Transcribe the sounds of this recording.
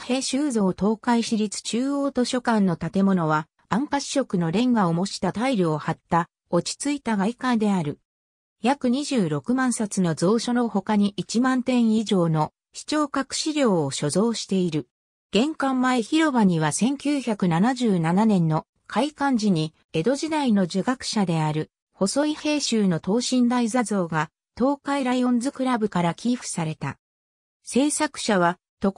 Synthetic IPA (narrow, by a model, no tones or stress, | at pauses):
he̞ːɕɨːzo̞ːt̪o̞ːkaiɕiɾʲit͡sɨ̥t͡ɕɨːo̞ːt̪o̞ɕo̞kãnːo̞t̪at̪e̞mo̞no̞βa | ãŋkaɕi̥o̞kɯ̟no̞ɾẽ̞ŋɡaomo̞ɕi̥t̪at̪aiɾʲɯohat̪ːa | o̞t͡ɕi̥t͡sɨit̪aɡaikãd̪e̞aɾɯ̟ | jakɯ̟ɲ̟iʑɨːɾo̞kɯ̟mãɰ̃sat͡sɨno̞zo̞ːɕo̞no̞ho̞kaɲ̟iʔit͡ɕimãnt̪ẽ̞ɰ̃iʑo̞ːno̞ | ɕi̥t͡ɕo̞ːkakɯ̟̥ɕiɾʲjo̞ːɕo̞zo̞ːɕi̥t̪e̞iɾɯ̟ | ɡ̥ẽ̞ŋkãmːaeçiɾo̞baɲ̟iβ̞asẽ̞ŋkʲɨːçakɯ̟nanaʑɨːnananẽ̞nːo̞ | kʰaikãɲ̟d͡ʑiɲ̟i | e̞d̪o̞ʑid̪aino̞ʑɨɡakɯ̟̥ɕad̪e̞aɾɯ̟ | ho̞so̞ihe̞ːɕɨːno̞t̪o̞ːɕĩnd̪aizazo̞ːɡa | t̪o̞ːkaiɾaiõ̞nd͡zɨkɯ̟ɾabɯ̟kaɾakʲiːɸɯ̟̥saɾe̞t̪a̰ | se̞ːsakɯ̟̥ɕaβ̞a | t̪o̞